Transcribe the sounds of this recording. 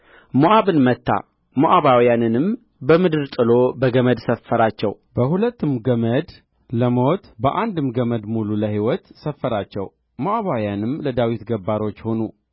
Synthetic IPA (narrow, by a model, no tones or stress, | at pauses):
moʔaβɨnmət̪ʰːa̰ | moʔaβawjanɨnɨm | bəmɨd̪ɨɾt̪ʼɨlo̞bəɡəməd̪səfːəɾat͡ʃːɛ̰w | bəhulət̪ːɨmɡəməd̪ | ləmo̞t̪bəʔand̪ɨmɡəməd̪mululəhiwɔt̪səfːəɾat͡ʃːɛ̰w | moʔaβawjanɨmləd̪awit̪ɡəbːaɾo̞t͡ʃːho̞nṵ